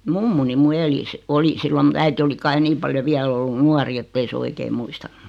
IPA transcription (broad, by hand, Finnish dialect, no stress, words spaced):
mumːuni mu eli si oli silːo mŭt̆ æiti oli kɑi niːm pɑljo ʋiæl olːun nuɑri etːei se oikei muistɑnːu̥